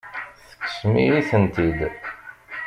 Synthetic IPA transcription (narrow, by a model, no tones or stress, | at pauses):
θə̥kːsmḭjiθənt̪id̪